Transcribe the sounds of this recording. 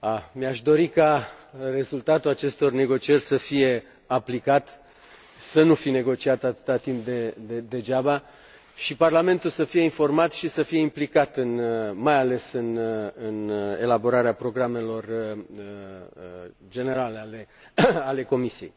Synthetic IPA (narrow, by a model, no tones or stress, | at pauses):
amiaʃd̪o̞ɾikare̞zult̪at̪ulat͡ʃe̞st̪o̞rne̞ɡo̞t͡ʃierʲsəfije̞ | aplikat̪ | sənufine̞ɡo̞t͡ʃiat̪at̪ɨ̥t̪at̪imp̚d̪ed̪ed̪e̞d͡ʒaba | ʃiparlame̞nt̪ulsəfije̞info̞rmat̪ʃisəfije̞implikat̪ɨnmajale̞sɨnɨne̞̰labo̞ɾaɾeapɾo̞ɡɾame̞lo̞r | d͡ʒe̞ne̞ɾaleale̞ | ale̞ko̞misije̞j